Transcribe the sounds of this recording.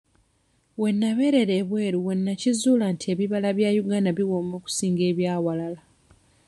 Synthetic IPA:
we̞nːaβe̞ɾe̞ɾe̞ːβwe̞ːɾuwe̞nːacizuːlaːntʰie̞βiβalaβjaːjuɡaːnaβiwoːmoːku̥siːŋɡe̞ːβjaːwalala

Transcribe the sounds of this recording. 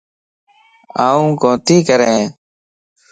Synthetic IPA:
aːũːkõːt̪iːkəɾẽː

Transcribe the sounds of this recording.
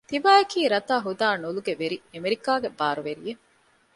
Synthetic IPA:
t̪iʋaːɐkiːɾɐt̪aːɦud̪aːnuluɡeʋeɾiemeɾikaːɡebaːɾuʋeɾije

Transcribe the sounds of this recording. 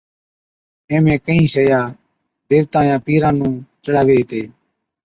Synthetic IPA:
ẽːmẽːkəĩːsəjaː | d̪eːʋt̪ãːjãːpiːɾãːnũːt͡ʃəɽaːʋeːt̪eː

